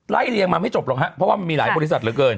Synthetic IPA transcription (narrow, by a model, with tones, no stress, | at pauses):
la̰˦˥˩jli˧əŋmaː˧ma˥˩jt͡ɕo˨˩p̚lɔː˨˧˩ŋɦa˦˥ʔpʰɾɔ˦˥waː˥˩ma˧nmiː˧laː˩˦jbɔː˧li˦˥sa˨t̪̚ɾɯː˨˦kɤː˧n